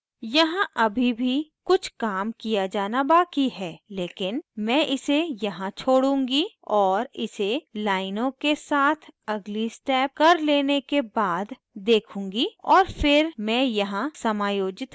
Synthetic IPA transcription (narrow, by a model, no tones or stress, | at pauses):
jɐɦãʔɐbʱibʱikʊt͡ʃʰkaːmkijad͡ʒaːnabaːkiɦɛːleːkɪnmɛ̃ːʔɪsejɐɦãt͡ʃʰoːɽũːŋɡiɔːɾɪ̰selaːɪnõkesaːt̪ʰɐɡlisʈɛːp̚kɐɾleːnekebaːd̪ | d̪eːkʰũːŋ̆ɡiɔːɾfɪɾmɛ̃ːjɐɦãsɐmaːjoːd͡ʒɪt̪